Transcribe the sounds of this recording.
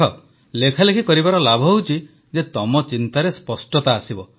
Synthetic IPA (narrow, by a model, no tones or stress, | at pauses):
ɔ | lekʰalekʰikɔɾibaɾɔlabʱɔɦeuwt͡ʃʰi | d͡ʒet̪ɔmɔt͡ʃint̪aɾespɔsʈɔt̪aːsibɔ